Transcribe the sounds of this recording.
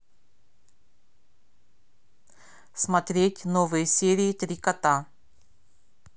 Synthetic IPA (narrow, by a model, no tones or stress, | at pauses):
smɐt̪ɾʲetʲnovɨjəsʲeɾʲiːt̪ɾʲikɐt̪a